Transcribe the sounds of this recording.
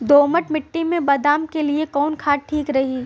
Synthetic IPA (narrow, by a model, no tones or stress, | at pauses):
d̪oːməʈmɪʈːimẽbɐd̪aːmkeliekɔːnkʰaːʈ̚ʈʰiːkɾɐɦiː